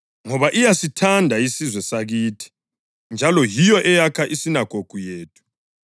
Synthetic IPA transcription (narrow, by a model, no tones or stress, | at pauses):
ŋɔβaʔijasitʰandʱaisizwɛsaɣiːtʰi̥ | nd͡ʒʱalɔjijɔʔɛjakʰaʔisinaɡ̥ʱoɡ̥ʱujeːtʰu̥